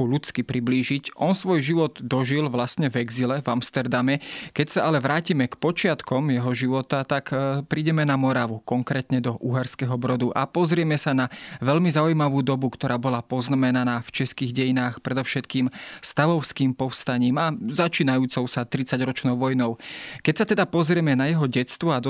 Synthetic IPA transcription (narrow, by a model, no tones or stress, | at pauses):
ulut͡skipɾibliːʒicʔɔnsʋɔjʒiʋɔd̪d̪ɔʒilʋlast̪ɲɛvɛɡzilɛvamst̪ɛɾd̪amɛkɛcsaalɛʋɾaːcimɛkpɔt͡ʃɪat̪kɔmjɛɦɔʒiʋɔt̪at̪akpɾiːɟɛmɛnamɔɾaʋukɔŋkɾɛːt̪ɲɛd̪ɔʔuɦaɾskɛɦɔbɾɔd̪uʔa̰pɔzɾɪɛmɛsanaʋɛʎmizaujmaʋuːd̪ɔbukt̪ɔɾaːbɔlapɔznamɛnanaːft͡ʃɛskiːɣɟɛjinaːxpɾɛd̪ɔʊʃɛt̪kiːmst̪aʋɔʊskiːmpɔfst̪aɲiːmazat͡ʃiːnajuːt͡sɔʊsat̪ɾit͡saɟɾɔt͡ʃnɔʊʋɔjnɔʊkɛcsat̪ɛd̪apɔzɾɪɛmɛnajɛɦɔɟɛtst̪ʋɔad̪ɔ